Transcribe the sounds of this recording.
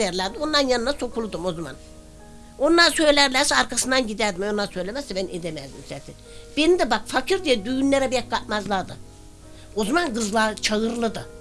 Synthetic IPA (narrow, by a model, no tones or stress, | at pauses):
ɛɾlʲæɾd̪io̞nˠaɾɯnjanɯnaso̞kʰulˠud̪umo̞zama̰n | onlˠaɾsø̞jlʲæɾlʲæɾsɛaɾkʰasɯnd̪anɟid̪æɾd̪imonːˠaɾsø̞jlʲemɛzɛbæned̪emæzd̪imsɛt̪ʰinb̥enid̪ɛbakfakʰiɾd̪ijɛd̪yjynlʲeɾɛbijɛk̚kːat̪mazlˠad̪ɯ̰ | o̞zamanɡɯzlˠat͡ʃʰaɣɯɾlˠɯd̪ɯ